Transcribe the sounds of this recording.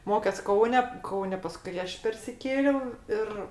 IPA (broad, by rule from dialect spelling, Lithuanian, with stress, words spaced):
ˈmoːkʲɛs ˈkɐʊnʲɛ ˈkɐʊnʲɛ pɐˈskʊɪ ˈɐʃ pʲɛrʲsʲɪˈkʲeːlʲɛʊ ˈɪr